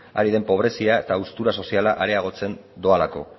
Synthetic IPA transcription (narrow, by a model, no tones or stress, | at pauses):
a̰ɾið̞e̞mpo̞β̞ɾe̞siaet̪aust̪uɾaso̞sialaʔaɾe̞aɣ̞o̞t͡se̞nd̪o̞alako̞̰